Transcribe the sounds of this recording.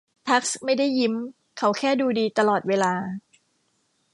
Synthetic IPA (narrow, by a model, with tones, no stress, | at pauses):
t̪ʰa˦˥k̚sma˥˩jda˥˩jːi˦˥m | kʰa˦˥wkʰɛː˥˩duː˧diː˧t̪a˧lɔː˨˩t̪̚weː˧laː˧